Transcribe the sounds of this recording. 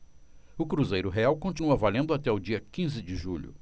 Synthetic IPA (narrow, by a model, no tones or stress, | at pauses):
ʊkɾuzejɾʊɦeawkõt͡ʃinuɐvalẽnd̪ʊat̪ɛʊd͡ʒiɐkĩzɪd͡ʒɪʒuʎʊ̰